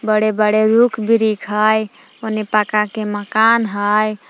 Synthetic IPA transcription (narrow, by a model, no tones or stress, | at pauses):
bəɽebəɽeɾukʰbiɾikʰɦəj | onepakakeməkanɦəj